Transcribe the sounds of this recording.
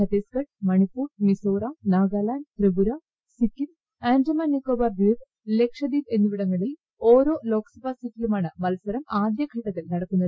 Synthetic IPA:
kʰɐt̪eːskɐʈmɐɳipuːɽmisoːɾanaːɡaːlaːnt̪rebuɾa | sikːin | aːnd͡ʑɐmaːnːikːoːbaːrbiːɾ | le̞kʂɐd̪iːbe̞nːuʋiɽɐŋːɐɭil | oːɾo̞ːlo̞ːksɐbaːsitːilumaːɳɨmɐlsɐɾɐmaːd̪jɐɡʱiːʈːɐt̪ːilnɐɽɐkːunːɐðɨ

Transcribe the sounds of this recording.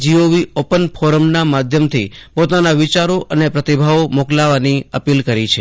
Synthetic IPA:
d͡ʒioʋiopənpʰɔɾəmnamad̪ʱjəmt̪ʰipot̪anaʋit͡ʃaɾoʔənepɾət̪ibʱaomoklaʋaniəpilkəɾit͡ʃʰe

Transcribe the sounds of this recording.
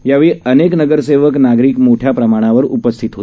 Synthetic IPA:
jaʋeɭiəneknəɡəɾseʋəknaɡɾiːkmoʈʰjapɾəmaɽ̃aʋəɾupəst̪ʰit̪ɦo

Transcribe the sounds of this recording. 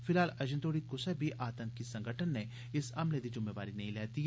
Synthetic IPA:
fɪlɦaːlɐd͡ʒə̃nd̪oːɽikʊsɛbʱiʔaːt̪ə̃ŋkːisɐ̃ŋɡʱəʈʰənːe | ɪsɐmled̪id͡ʒʊmːeʋaːɾinɐɦĩlɛːt̪i

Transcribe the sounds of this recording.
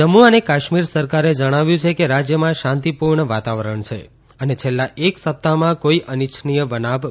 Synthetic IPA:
d͡ʒəmuənekaʃmiɾsəɾkaɾed͡ʒəɽ̃aʋjũt͡ʃʰekeɾad͡ʒjəmãʃãnt̪ipuɾɳəʋat̪aʋəɾəɳt͡ʃʰḛ | ənet͡ʃʰelːaʔeksəp̚t̪amãkoiənit͡ʃʰnijəbənaʋ

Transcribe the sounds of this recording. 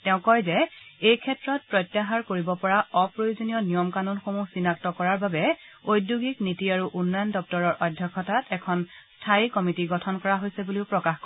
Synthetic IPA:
tɛʊ̃kɔjzɛejkʰɛtɹɔt̚pɹɔjtːaɦaɹkoɹibɔpɔɹaɔpɹojozonijɔnijɔmkanɔnxomusinak̚tɔkɔɹaɹbabɛojduɡiknitiaɹuʔunːajndɔp̚tɔɹɔɹʔɔdʱjɔkʰːɔtatʰɛkʰɔnstʰaikɔmitiɡɔtʰɔnkɔɹaɦojsɛbuliʊpɹɔkaxkɔ

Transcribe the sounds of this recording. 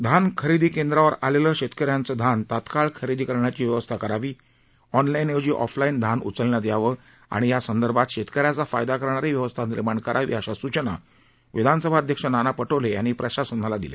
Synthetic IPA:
d̪ʱankʰəɾid̪ʱiːkẽnd̪ɾaʋəɾaleləːɕet̪kəɾjãnt͡səd̪ʱant̪at̪kaɭkʰəɾid̪ʱiːkəɾɳjat͡ɕiːʋjəʋəst̪ʰakəɾaʋiː | ɔnlained͡ʑiːʔɔ̰flaind̪ʱanṵt͡səlɳjad̪jaʋə | a̰ɽ̃ijasənd̪əɾbʱat̪ɕet̪kəɾjat͡safajd̪akəɾɳaɾeʋjəʋəst̪ʰaniɾmaɳkəɾʔaʋḭːaɕasut͡ɕəna̰ | ʋid̪ʱansəbʱaəd̪ʱjəkʂənanapəʈʰoleja̰ñiːpɾəɕasənːalad̪ḭlḛ

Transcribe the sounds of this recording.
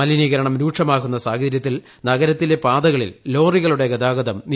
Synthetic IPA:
ɐliniɣɐɾɐɳɐmɾuːʈʂɐmaːkunːɐsaːɡɐðɐɾjɐt̪̬ːil | nɐɣɐɾɐt̪ːile̞paːd̪ɐɣɐɭḭlːo̞ːriɣɐɭuɽe̞ɡɐd̪aːɡɐd̪ɐmni

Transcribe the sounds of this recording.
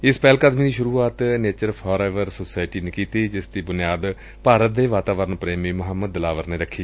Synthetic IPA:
ɪspɛːlkəd̪miːd̪iːʃʊɾuːaːt̪neːt͡ʃəɾpʰɔːɾɛːʋəɾsoːsaːɪʈiːneːkiːt̪iːd͡ʒɪsd̪iːbʊnɪjaːd̪ | paːɾət̪̚d̪eːʋaːt̪aːʋəɾənpɾeːmiːmʊɦəmːəd̪̚ːəlaːʋəɾneːɾəkʰːiː

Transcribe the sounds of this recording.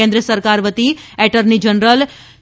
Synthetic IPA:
ẽnd̪ɾiəsəɾkaɾʋət̪iɛʈəɾnid͡ʒənɾəl

